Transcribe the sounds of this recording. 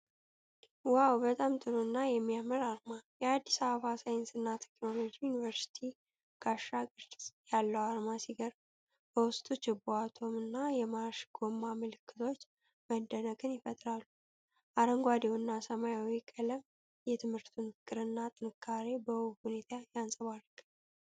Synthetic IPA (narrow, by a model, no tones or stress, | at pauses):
wawbət̪ʼamt̪ʼɨɾuɨnːajɛmːijamɨɾaɾmajɛad̪ːisaβəβasajnsɨnːat̪ʰɛkno̞lo̞d͡ʒijunivəɾsi̥t̪ʰi | ɡ̥aʃːaɡʼɨɾdjalːəwaɾmasiɡəɾb | b̥əwʊst̪ʼut͡ʃːɪbuat̪ʰo̞mɨnːajɛmaʃɡ̥o̞mːaməlɨkːɨt̪ʰo̞t͡ʃː | məd̪ːənəɡʼɨnjɪfət̪ʼɾalːu | ʔaɾəŋɡʷad̪ewnːasəmajawikʼələm | jɛt̪ʰɨmhɨɾt̪ʰunfɨ̥kʼɨɾɨnːat̪ʼɨnɨkʰːaɾe̞bəwhune̞t̪ʰajansʼəβarɡɨ